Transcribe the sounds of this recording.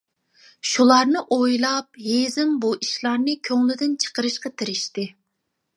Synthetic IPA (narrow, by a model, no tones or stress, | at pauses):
ʃulˠɑɾnɨʔojlˠɑp̚ɦezɪmbuʔiʃlˠɑɾnɨkʲʰøŋlyd̪ɪnt͡ʃʰə̥qəɾɨʃqɑt̪ʰɪɾɪʃt̪ɪ